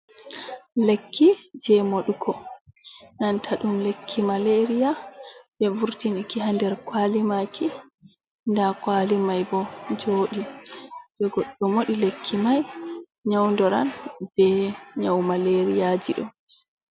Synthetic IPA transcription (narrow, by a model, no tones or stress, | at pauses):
lekʰːid͡ʒɛmoɗukʰɔ | nantʰaɗumlekʰːimaleɾijabɛvuɾtinikihandɛɾkwaːlimakʰi | ndakwalimajbɔd͡ʒoːɗid̥ɛɡɔɗːɔmoɗilekʰːimaj | ɲawndɔɾa̰nbɛɲawmaleɾijad͡ʒiɗɔ̰